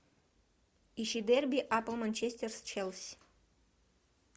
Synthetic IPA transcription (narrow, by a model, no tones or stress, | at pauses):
iʃid̪erbʲiʔapəlˠmanʲt͡ʃʰesʲt̪ʲerst͡ʃʰɛlˠsʲ